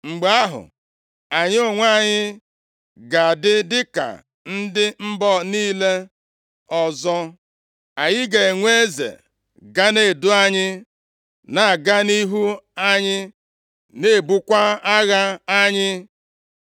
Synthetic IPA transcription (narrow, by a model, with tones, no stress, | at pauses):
ŋ͡m̩˨ɡ͡ba˦ɦʊ̰˨ | a˨ɲɪ˦o˦ŋʷa˦˨ɲɪ˦ | ɡa˨dɪ˦dɪ˦ka̰˨ | n̩˦dɪ˦m̩˦bɔ˦niː˦le˦ | ɔ˨zɔ˦ | a˨ɲɪ˦ɡe˨e˨ŋʷe˦zḛ˨ | ɡa˦ne˨dʊ˦a˦ɲɪ˦ | na˨a˨ɡa˦ni˦ɦu˦a˦ɲɪ˦ | ne˦˨bu˦kʷa˦a˦ɣa˦a˦ɲɪ˦